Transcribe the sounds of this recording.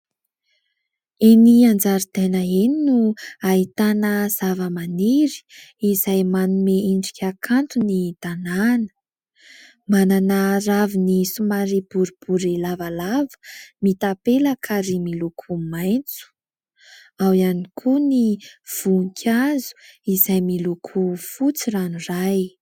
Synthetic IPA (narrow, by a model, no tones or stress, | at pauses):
eniand͡zaɾid̪̥enaeninuaɦit̪anəz̥avəmaniɾi̥ːzajmanumeiɳɖ͡ʐikʲʰakʰant̪unid̪̥ananə̥ | mananaɾavinisumaɾib̥uɾib̥uɾilavalavə̥mit̪apeləkʰaɾimilukʰumajnt͡su̥ | awianikʰuniv̥ukʲʰazu̥izajmilukʰufut͡siraniraj